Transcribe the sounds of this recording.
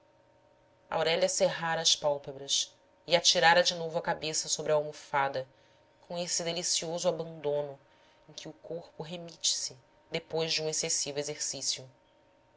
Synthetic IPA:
ɐ̰a̰wɾɛʎʲɐseɦaɾɐːspawpebɾɐs | iat͡ʃiɾaɾɐd͡ʒɪnovʊɐkabesɐsobɾɐawmofad̪ɐ | kʰõesɪd̪elisiozʊabɐ̃nd̪õnʊ | ẽkʰʲɪʊkoχpʊɦemit͡ʃɪ̥sɪ | d̪epojzʒd͡ʒɪũesesivʊezeɾsisjʊ

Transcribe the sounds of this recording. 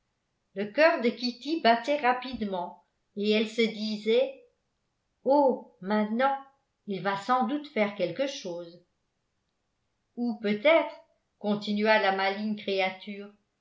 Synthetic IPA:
ləkœʁd̪əkʲit̪ibat̪ɛʁapid̪mɑ̃ | eɛlsəd̪izɛ | omɛ̃t̪nɑ̃ | ilvasɑ̃d̪ut̪fɛʁkɛlkəʃoːz | upøt̪ɛt̪χ | kɔ̃t̪inɥalamalinkχeat̪yːʁ

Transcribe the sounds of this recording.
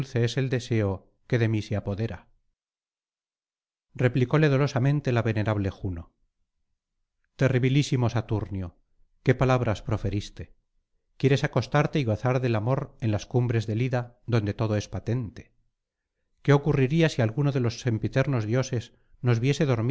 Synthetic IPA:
lθe̞ese̞ld̪e̞se̞o | ke̞ðe̞miseapo̞ðe̞ɾa | re̞pliko̞le̞ðo̞lo̞samẽ̞nt̪e̞laβe̞ne̞ɾaβle̞xuno | t̪e̞riβilisimo̞sat̪uɾnjo | ke̞palaβɾaspɾo̞fe̞ɾist̪e | kje̞ɾe̞sako̞st̪aɾt̪eiɣo̞θaɾðe̞lamo̞ɾe̞nlaskumbɾe̞zðe̞liða | ðo̞nd̪e̞t̪o̞ðo̞e̞spat̪e̞nt̪e̞̥ | ke̞o̞kuriɾiasialɣuno̞ðe̞lo̞sːe̞mpit̪e̞ɾno̞zðjo̞se̞s | no̞zβje̞se̞ðo̞ɾm

